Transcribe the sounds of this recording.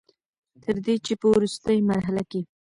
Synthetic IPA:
t̪ʰəɾd̪et͡ʃepəwɾust̪əjmaɾɦalake

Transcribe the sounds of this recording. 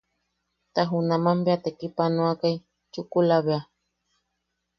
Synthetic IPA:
t̪aɦunamambeat̪ekipanoakaj | t͡ʃukulaβea

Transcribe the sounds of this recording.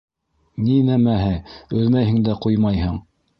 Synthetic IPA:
ninæmæɦɘɵðmæjhɘ̆ŋd̪æqujmɑjhɤɴ

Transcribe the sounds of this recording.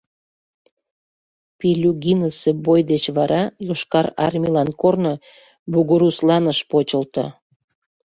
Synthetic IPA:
pilʲuɡʲinəsebojd̪et͡ɕβɑɾɑjoʃkɑɾɑ̰rmʲilɑnkorno | buɣoɾuslɑnəʃpot͡ɕəlt̪ə̰

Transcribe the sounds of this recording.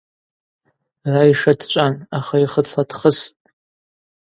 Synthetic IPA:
rajʂadt͡ʃʷʼanaχaiχət͡sʰadχəstʼ

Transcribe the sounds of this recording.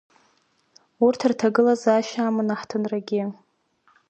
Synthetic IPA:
urtʰɨrtʰaɡɨlazaʃaːmɨnaħtʰɨnraɡʲɪ

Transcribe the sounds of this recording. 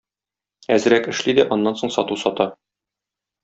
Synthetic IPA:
æzɘ̆ɾækɘ̆ʃlid̪æʔɒnːɑnsoɴsɒt̪usɒt̪ɑ

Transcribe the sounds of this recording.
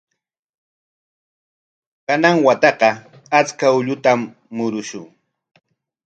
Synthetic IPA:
kanaŋwat̪ɑqɑ | at͡skaʊʎʊt̪amː | ʊɾʊʃʊŋ

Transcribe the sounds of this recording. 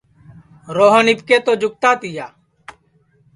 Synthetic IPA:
ɾoːɦənipkeːt̪oːd͡ʒʊk̚t̪aːt̪ɪjaː

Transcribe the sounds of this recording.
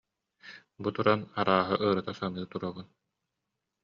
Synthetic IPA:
but̪uɾanaɾaːɦɯʔɯɾɯt̪asanɯːt̪uɾabun

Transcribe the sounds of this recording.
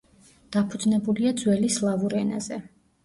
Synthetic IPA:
d̪̥apʰud̪znɛbuliad̪zwɛlislˠavuɾɛna̰zɛ

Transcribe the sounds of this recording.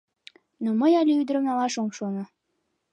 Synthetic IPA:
noməjɑlʲeyd̪ɾə̆mnɑlɑʃomʃonŏ

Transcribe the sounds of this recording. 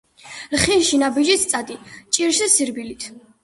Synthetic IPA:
lχiʃinabid͡ʒist̪sʼad̪it͡ʃʼiɾʃɛsiɾbilit̪ʰ

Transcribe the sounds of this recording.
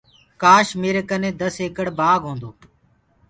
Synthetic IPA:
kaːʃmeːɾekənẽːd̪əseːkəɽbaːɡʱɦõːnd̪oː

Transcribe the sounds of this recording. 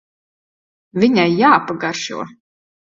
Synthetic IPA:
vʲiɲʲajːaːpaɡaɾʃṵɔ

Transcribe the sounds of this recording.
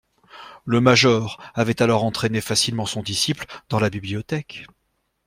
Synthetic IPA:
ləmaʒɔʁavɛt̪alɔʁɑ̃t̪χenefasilmɑ̃sɔ̃d̪isipld̪ɑ̃labibliɔt̪ɛk

